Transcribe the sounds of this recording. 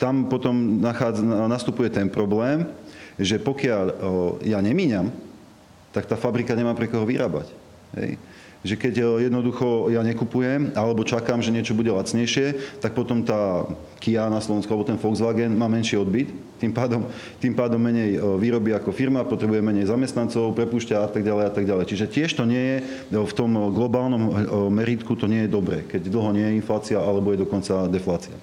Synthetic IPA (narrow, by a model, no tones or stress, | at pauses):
t̪ampɔt̪ɔmnaxad͡znast̪upujɛt̪ɛnpɾɔblɛːmʒɛpɔkɪaʎjaɲɛmiːɲam | t̪akt̪aːfabɾikaɲɛmaːpɾɛkɔɦɔʋiɾaːba̰c | ɦɛ̰j | ʒɛkɛɟjɛd̪nɔd̪uxɔjaɲɛkupujɛmalɛbɔt͡ʃakaːmʒɛɲɪɛt͡ʃɔbuɟɛlat͡sɲɛjʃɪɛt̪ak̚pɔt̪ɔmt̪aː | kianaslɔʋɛnskuʊalɛbɔt̪ɛnfɔɡzʋaːɡɛnmaːmɛnʃiɔd̪bit̪t̪ːimpaːd̪ɔm | t̪impaːd̪ɔmːɛɲɛjʋiːɾɔbiakɔfiɾmapɔt̪ɾɛbujɛmːɛɲɛjzamɛst̪nant͡sɔʊpɾɛpuːʃcaat̪aɡɟalɛjat̪aɡɟalɛjt͡ʃiʒɛcɪɛʃt̪ɔɲɪɛjɛ | ft̪ɔmɡlɔbaːlnɔmːɛɾiːt̪kut̪ɔɲɪɛjɛd̪ɔbɾɛːkɛɟd̪l̩ˠɦɔɲɪɛjɛinflaːt͡siaalɛbɔjɛd̪ɔkɔnt͡sad̪ɛflaːt͡sia̰